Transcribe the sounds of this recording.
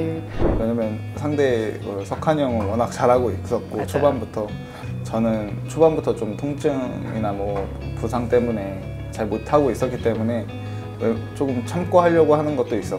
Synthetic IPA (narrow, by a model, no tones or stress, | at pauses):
we̞ɲamjʌn | sʰaŋde̞kɯsʰʌkʰaɲʌŋɯɭwʌnak̚t͡ɕaɾɦaɡoiks͈ʌt̚k͈ot͡ɕʰobanbutʰʌ | t͡ɕʌnɯnt͡ɕʰobanbutʰʌt͡ɕomtʰoŋt͡ɕʰɯḭnamʌ | pusʰaŋt͈e̞mune̞ | t͡ɕaɭmotʰaɡois͈ʌk͈it͈e̞mune̞ | wet͡ɕ͈okɯmt͡ɕʰamk͈oɦaʎːʌɡohanɯnɡʌt̚t͈ois͈ʌ